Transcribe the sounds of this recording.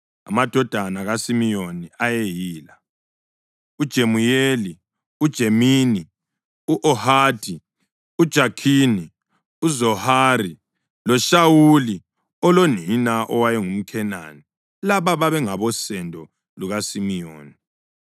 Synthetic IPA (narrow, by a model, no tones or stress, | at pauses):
a̰mad̥ʱɔd̥ʱanaɣasimijoniajejiːla | ud̥ʒ̥ʱemujeli | ud̥ʒ̥ʱemiːni | uʔɔhaːdʱi | ud̥ʒ̥ʱakʰiːni | uzɔhari | lɔʃawuli | ɔloninaʔɔwajɛŋum̩kʰɛna̰ni | laβaβaβɛŋaβɔsɛndʱɔ | luɣasimijoːni